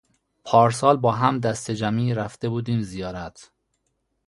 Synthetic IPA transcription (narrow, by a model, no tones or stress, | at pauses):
pʰɒːɾsɒːlbɒːɦæmd̪æst̪ed͡ʒæmiːɾæft̪e̞buːd̪iːmzijɒːɾæt̪ʰ